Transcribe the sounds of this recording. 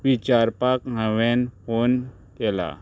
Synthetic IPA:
ʋit͡ɕaɾpakɦə̃ʋenfon | kɛla̰

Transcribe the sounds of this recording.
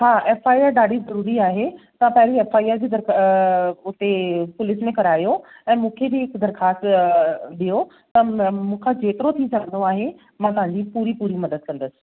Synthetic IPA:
ɦaːʔeːfaːiaːɾɗaːɖʱizɐɾuːɾiaːɦet̪ɐãpɐɦɪɾieːfaːiaːɾd͡ʑid̪ɐɾ | ʊt̪epʊlɪsmẽkɐɾaːijo | ɛ̃ːmũːkʰebɪɦɪkd̪ɐɾxaːst̪ | ɗijo | t̪ɐmũːkʰad͡ʑeːt̪ɪɾot̪ʰid͡ʑaːə̃nd̪oaːɦe | mãːt̪ɐɦãɲd͡ʑipuːɾipuːɾimɐd̪əd̪̚kɐ̃nd̪əsɪ̥̆

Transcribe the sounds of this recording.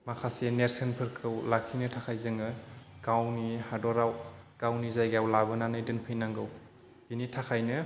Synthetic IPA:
makʰaseneɾsenpʰɯɾkʰɯwlakʰinɯtʰakʰajzɯŋɯɡ̥awnihadɔɾawɡ̥awnizajɡawlabɯnanɯjdɯnpʰɯjnaŋɡɯw | binitʰakʰajnɯ

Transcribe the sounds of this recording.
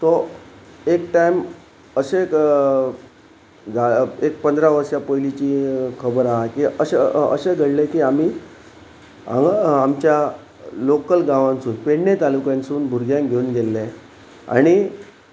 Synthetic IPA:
t̪o | ekʈaim | əɕek | d͡zʱaek̚pənd̪ɾaʋəɾɕjapəjlit͡ɕiːkʰəbəɾaɦakiəɕeə̰ɕeɡʱəɽlekiːam̤iː | a̰amt͡ɕja | lokəlɡãʋãnt͡suːnpeɽnet̪alukjãnt͡suːnbʱuɾɡjãŋɡʱeunɡelːẽ | a̰ɽ̃i

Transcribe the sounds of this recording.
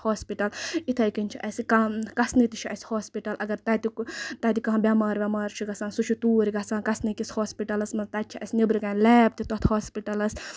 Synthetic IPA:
hoːspiʈɐlit̪ʰɐjkint͡ʃʰiʔɐsikakɐsnit̪it͡ʃʰiʔɐ̰sʲhoːspiʈɐlɐɡɐɾt̪ɐt̪it̪ɐt̪ikɐɦɐ̃bʲamaːɾʋʲamaːɾt͡ʃʰiɡɐsãːnsut͡ʃʰut̪uːɾiɡɐsãːnkɐsnikishoːspiʈɐlɐsmɐnt̪ɐt̪̚t͡ʃʰiʔɐ̰sʲnibɾikaːnlɛːp̚t̪it̪ot̪ʰhoːspiʈɐlɐs

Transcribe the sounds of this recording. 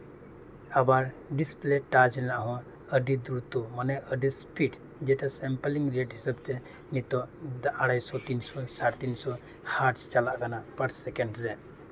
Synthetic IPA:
əbaɾ | ɖispleʈad͡ʒɾɛnaʔɦɔ̃ | əɖid̪uɾut̪umanɛʔəɖispʰiʈ | d͡ʒɛʈasɛmpəliŋɾeʈɦisabt̪ɛ | nit̪ɔd̪aɽajsɔt̪insɔsaɽt̪insɔ | haʈst͡ʃalaʔkanapəɾssɛkɛɳɖɾɛ

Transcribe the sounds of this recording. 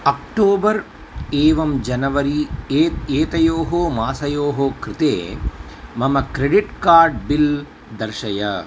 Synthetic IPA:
ɐkʈoːbɐɾ | eːʋɐmd͡ʒɐnɐʋɐɾit̪eːt̪ɐjoːɦoːmaːsɐjoːɦoːkɾɪt̪ḛː | mɐmɐkɾeɖiʈkaːɾɖ̚bil | d̪ɐɾʃɐjɐ

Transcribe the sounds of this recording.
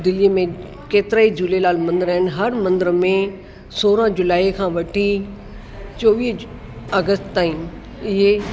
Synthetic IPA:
d̪ɪlijəmẽ | keːt̪ɪɾaːid͡ʑʊlelaːlmɐ̃nd̪ɾaːɪn̆ɦɐɾmɐ̃nd̪əɾmẽ | soːɾə̃d͡ʑʊlaːikʰãːʋɐʈʰi | t͡ɕoːʋiːɦ | ɐɡəst̪t̪aːĩn | ɪɦe

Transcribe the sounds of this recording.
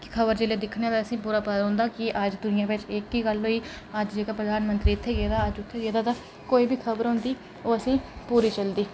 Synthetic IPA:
kɪ̥kʰəbəɾd͡ʒeːleːd̪ɪkʰnaːt̪aəsĩːpuːɾaːpəɦʊ̃ːnd̪aːkɪʔəd͡ʒd̪ʊnɪjãːpɪt͡ʃeːkːiːɡəlɦoːiː | əd͡ʒd͡ʒeːkaːpɾəd̪aːnmənt̪ɾiːɪt̪ʰːeːɡeːd̪aːəd͡ʒʊt̪ʰːeːɡeːd̪aːt̪ãː | koːiːbʱiːkʰəbəɾɦʊ̃nd̪iː | oːəsĩːpuːɾiːt͡ʃəld̪iː

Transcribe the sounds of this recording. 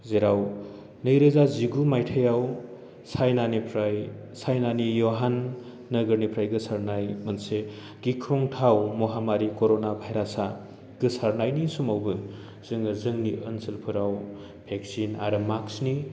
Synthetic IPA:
zeɾaw | nɯjɾɯzaziɡumajtʰəjaw | sajnanipʰɾaj | sajnanijoɦanː | ɐɡɯɾnipʰɾajɡɯsaɾnajmɐnse | ɡikʰɾoŋtʰawmɔɦamaɾikoɾonabʱajɾasa | ɡ̥ɯsaɾnajnisumawbɯ | z̥ɯŋɯzɯŋniʔənsɐlpʰɯɾaw | pʰek̚sina̰ɾɯmaksni

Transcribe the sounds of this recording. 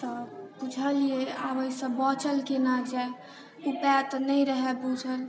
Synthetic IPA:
t̪ɔput͡ʃʰəlieabəisə̃bɔt͡ʃəlkenakd͡ʒaj | upɛt̪nəjɾəɦɛpud͡ʒʰʱəl

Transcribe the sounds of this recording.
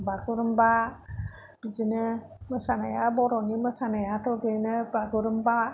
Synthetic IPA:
baɡuɾəmba | b̥id͡ʒinə | məsanajabɔɾɔniməsanajat̪obenəbaɡuɾəmba

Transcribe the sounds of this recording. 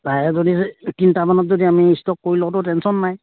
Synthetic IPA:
tajɛzoditintabanɔt̚zodiamiːstɔkːoɹilɔtʊtɛnsɔnːaj

